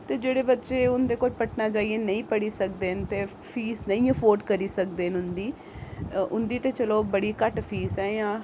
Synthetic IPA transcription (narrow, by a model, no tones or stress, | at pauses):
t̪eːd͡ʒeːɽeːbətːʃeːʊnd̪eːkoːlpəʈʰnaːd͡ʒaːiːeːnəĩːpəɽiːsək̚d̪eːɦnt̪eː | pʰiːsnə̃ĩːəpʰoːɾɖkəɾiːsək̚d̪eːnʊnd̪iː | ʊnd̪iːt̪eːt͡ʃəloːbəɽiːkəʈpʰiːsɛːjãː